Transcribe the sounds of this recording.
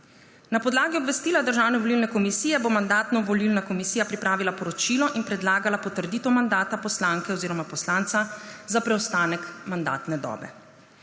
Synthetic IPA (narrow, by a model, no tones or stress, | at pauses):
napɔd̪laːɡiɔbʋɛst̪iːlad̪əɾʒaːwnɛʋɔlilnɛkɔmisiːjɛbomand̪aːt̪nɔʋɔlilnakɔmisiːjapɾipɾaːʋilapɔɾɔt͡ʃiːlɔʔinpɾɛd̪laːɡalapɔt̪əɾd̪iːt̪ɔmand̪aːt̪apɔslaŋkɛoziːɾɔmapɔslaːnt̪sazapɾɛɔst̪aːnɛkmand̪a̰ːt̪nɛd̪ɔ̰ːbɛ̰